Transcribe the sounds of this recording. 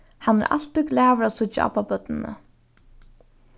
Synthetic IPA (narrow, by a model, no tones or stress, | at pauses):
hanːɛ̰ɾʔa̰l̥t̪ɪɡlæːʋɾasʊt͡ʃaʔa̰papœt̪nɪnə̰